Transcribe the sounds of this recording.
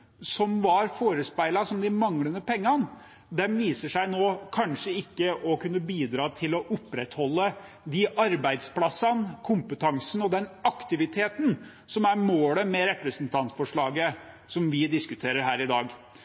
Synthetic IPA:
sɔmʋɑɾfoːɾəspæɪlɑsɔmd̪ɪmɑŋlənəpʰɛŋːɑn | d̪ɛnʋiːsəʂæɪnoːkʰɑnʂəɪkːəʔɔkʉnːəbiːd̪ɾɑːt̪ʰɪlɔʔʊpːɾɛt̪hɔlːə | d̪iʔɑɾbæɪd̪splɑsɑnkʰʊmpət̪ʰɑŋsn̩ɔd̪ɛnɑkt̪ɪʋɪt̪ʰeːt̪n̩ | sɔmæɾmoːləmɛɾɛpɾəsənt̪ʰɑnt̪fɔʂɭɑːɡə | sɔmʋɪd̪ɪskʉt̪ʰeːɾəɾɦæːɾɪd̪ɑːɡ

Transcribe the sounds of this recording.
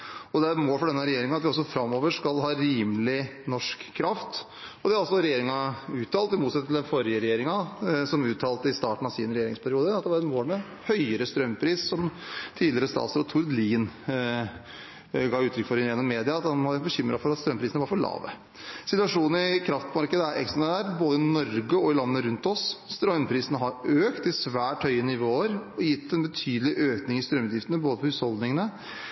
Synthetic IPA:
ɔd̪ɛæɾɛt̪moːlfɔɖɛnːəɾɛjeːɾɪŋəɑt̪ʋɪɔsːɔfɾɑmːɔːʋəʂkɑlɦɑːɾiːmlɪnɔʂkʰːɾɑft̪ | ɔd̪ɛɑɾɑlsɔɾɛjeːɾɪŋɑʉːt̪ʰːɑːlt̪ɪmuːt̪sɛt̪ʰl̩ɛnfɔɾɪəɾɛjeːɾɪŋɑsɔmʉːt̪ʰɑːlt̪əɪst̪ɑːʈɳ̩ɑʋsɪnɾɛjeːɾɪ̰ŋspʰæɾɪuːd̪əɑt̪̚d̪ɛʋɑɾɛt̪moːlmɛ | hœʏəɾəst̪ɾœmːpʰɾiːssɔmt̪ʰiːd̪lɪəɾəst̪ɑ̰ːt̪səɾɔt̪ʰʊɾd̪liːn | ɡɑːʉːt̪ʰɾʏkfɔɾhɪnjɛnːɔmːeːd̪ɪɑɑt̪hɑnmɔbəçʏmːɾʔɑfɔɾɑt̪st̪ɾœmpʰɾiːsənəʋɑɾfɔɭɑ̰ːʋə̰ | sɪt̪ʉʋɑʂuːnəɪkʰɾɑft̪mɑɾkəd̪əæɾʔɛ̰kst̪ɾɑnəd̪æːʈboːd̪əɪnɔɾɡəɔɪlɑnːəɾʉnt̪ɔsst̪ɾœmpʰɾiːsənəɦɑɾøːkt̪ɪsʋæːʈhœʏənɪʋoːəɾɔjɪt̪ʰːɛnbət̪ʰyːd̪əlɪʔøːknɪŋɪst̪ɾœmːʉːjɪft̪ənəboːd̪əpʰɔɾhʉːshɔld̪nɪŋənə

